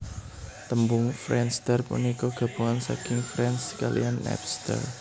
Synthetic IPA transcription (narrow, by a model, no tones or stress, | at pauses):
t̪əmbʊŋfɾɛnst̪ərpṵnikɔɡ̥a̤b̥ṳŋansa̰kɪŋfɾɛnskalḭjanɛ̰pst̪ə̰r